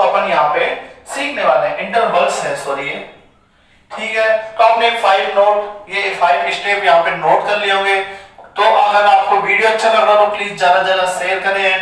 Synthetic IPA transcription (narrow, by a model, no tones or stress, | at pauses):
ɐpənjɐɦãpesiːkʰneʋaːleɦɛ̃ʔɪ̃ɳʈəɾbəlsɦɛsoːɾiɦɛ̰ː | ʈʰiːkɦɛːkɔːneːkfaːɪɖnoːʈjefʰaːɪɖɪsʈeːpjɐɦãːpenoːʈkɐɾliɦõːɡeːt̪oʔɐɡəɾaːp̚koʋiːɽijoɐtːʃʰakɐɾːɐɾõpliːzd͡ʒjaːd̪ad͡ʒaːd̪aseːəɾkɐɾẽɛ̃ː